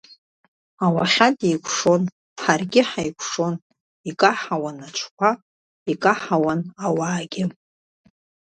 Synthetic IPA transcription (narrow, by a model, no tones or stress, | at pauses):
awaχʲatʼijkʷʰʂo̞n | ħarɡʲɪħajkʷʰʂo̞n | ikʼaħawanat͡ʃʷʰkʷʰa | ikʼaħawanawaːɡʲɪ